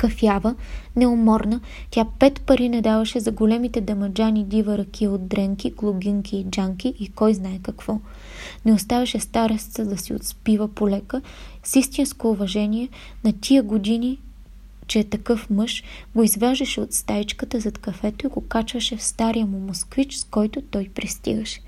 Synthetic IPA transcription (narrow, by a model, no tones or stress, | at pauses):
kɐfjavənɛomɔɾnə | t̪ʲjapɛt̪pɐɾinɛd̪avɐʃɛzɐɡolɛmit̪ɛd̪ɐmɐd͡ʒanid̪ivɐɾɐkʲʰiəod̪̚d̪ɾɛŋkʲiklˠʊɡʲiŋkʲʰiːd͡ʒaŋkʲiʔikɔjznaɛkɐkv̥ɔ | nɛost̪avɐʃɛst̪aɾɛst̪əd̪ɐsio̰t̪spivəpolɛkə | sist̪inskoʊvɐʒɛnʲiɛ | nɐt̪ʲiəɡod̪inʲi | t͡ʃɛːt̪ɐkɤfmɤʃɡoizvaʒɛʃɛot̪st̪ajt͡ʃkət̪əzɐt̪kɐfɛt̪oiɡokat͡ʃvɐʃɛfst̪aɾijəmʊmoskvit͡ʃskɔjt̪ʊt̪ɔjpɾɛst̪ḭɡəʃɛ̥